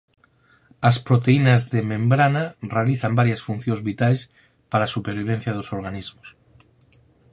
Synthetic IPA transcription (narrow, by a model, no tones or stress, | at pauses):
ɐspɾot̪einazðemẽmbɾanarealiθambaɾjasfun̟θjõŋzβit̪ajs | paɾaːsupeɾβ̞iβ̞en̟θjɐðosoɾɣanizmos